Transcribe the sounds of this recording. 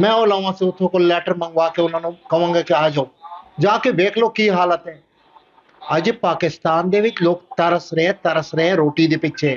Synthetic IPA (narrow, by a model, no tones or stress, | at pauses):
mɛ̃ːoːlãːʋãːsẽʊt̪ʰːõːkolɛːʈəɾmə̃ŋɡʋaːkeʊnãːnũkɐʋãːŋɡeːkeaːd͡ʒaũd͡ʒãːkebeːkʰloːkiːɦaːlət̪ɦɛ̃ː | əd͡ʒpaːkɪst̪aːnd̪eːʋɪt͡ʃloːkt̪əɾəsɾeɦẽːt̪əɾəsɾɛɦẽɾoːʈiːd̪epɪtːʃʰeː